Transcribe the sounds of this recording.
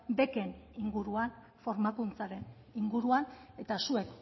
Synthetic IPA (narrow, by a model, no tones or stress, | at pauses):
be̞ke̞niŋɡuɾuan | fo̞ɾmakunt͡saɾe̞n | iŋɡuɾuane̞t̪asue̞k